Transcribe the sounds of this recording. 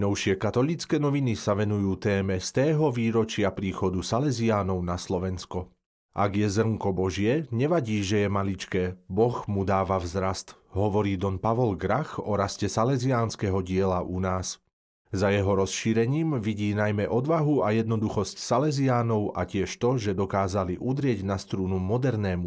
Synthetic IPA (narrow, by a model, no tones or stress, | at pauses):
nɔʊʃɪɛkat̪ɔlit͡skɛːnɔʋinisaʋɛnujuːt̪ɛːmɛst̪ɛːɦɔʋiːɾɔt͡ʃɪapɾiːxɔd̪usalɛziaːnɔʊnaslɔʋɛnskɔ | ʔa̰ɡjɛzr̩ŋkɔbɔʒɪɛɲɛʋaɟiːʒɛjɛmalit͡ʃkɛːbɔxmud̪aːʋavzɾast̪ɦɔʋɔɾiːd̪ɔnpaʋɔlɡɾaxɔɾascɛsalɛziaːnskɛɦɔɟɪɛlaʔunaːs | zajɛɦɔɾɔsʃiːɾɛɲiːmʋiɟiːnajmɛʔɔd̪ʋaɦuajɛd̪nɔd̪uxɔscsalɛziaːnɔʊʔa̰cɪɛʃt̪ɔʒɛd̪ɔkaːzaliʔud̪ɾɪɛɟnast̪ɾuːnumɔd̪ɛɾnɛːmu